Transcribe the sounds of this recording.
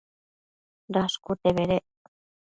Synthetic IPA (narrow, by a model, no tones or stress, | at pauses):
ɾaʃkut̪eβeɾe